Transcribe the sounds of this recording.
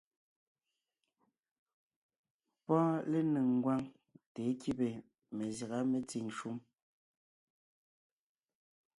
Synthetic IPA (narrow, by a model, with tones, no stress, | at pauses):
pɔ˦le˦nɨ˨ŋ˨ɡwa˦ŋ | te˨˦ki˦be˨ | me˨za˨ɣa˦me˨t͡si˨ŋʃu˦m